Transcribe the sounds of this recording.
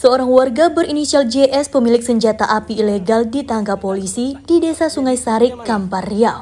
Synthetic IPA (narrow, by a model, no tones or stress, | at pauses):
səoɾaŋwarɡabəɾinisiald͡ʒeʔɛspəmilɪk̚səɲd͡ʒat̪aʔapiːleɡaldit̪aŋkapolisid̥idesasuŋajsaɾɪkːamparia